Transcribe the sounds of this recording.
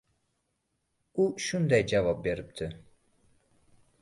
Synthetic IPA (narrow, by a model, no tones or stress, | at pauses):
uʃund̪ajd͡ʒavɑp̚be̞ɾip̚t̪ʰɪ